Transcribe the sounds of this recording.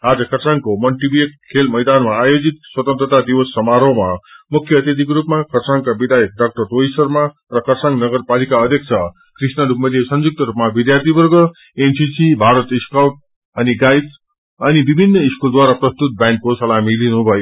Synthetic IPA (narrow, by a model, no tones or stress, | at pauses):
ad͡zʌkʌsaŋkomʌnʈibiekkʰelmʌjd̪anmaːjod͡zit̪̚swʌt̪ʌnt̪rʌt̪ad̪iwʌsːʌmaɾʌwmamukʰjʌːt̪jet̪̬ikɾupmakʰʌrt͡saŋkabid̪ajek̚ɖʌk̚ʈʌrtojsʌrma | rʌkʌrsaŋɡnʌɡʌrpalikaʌd̪ʱjʌkt͡sʰʌ | krisnʌdupmʌd̪esʌnd͡zuk̚t̪ʌɾupmabid̪jart̪ibʌrɡʌ | ensisibʱaɾʌt̪iskawʈ̚ | ʌniɡajs | ʌnibibʱinːʌiskuld̪waɾaprʌst̪ut̪̚bjankkosʌlamilinubʱʌjo